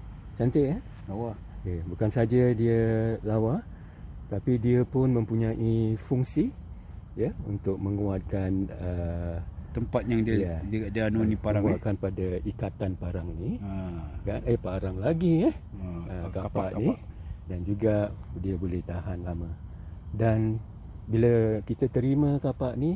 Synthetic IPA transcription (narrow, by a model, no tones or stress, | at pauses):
t͡ʃant̪ea | lawa | əbukansad͡ʒadiəlawa | ət̪apidiəpʊnmə̃mpuɲãʔifuŋsi | jəṵnt̪ʊk̚mə̃ŋuat̪̚kanə | t̪əmpat̪̚jaŋdaəɡaʔdianonĩpaɾaakanpadaikat̪anpaɾaŋni | kanəpaɾaŋlaɡiəhəkapaʔnidand͡ʒuɡadiəbolɛht̪aɦanlamə̃dan | biləkit̪at̪əɾimə̃kapaʔni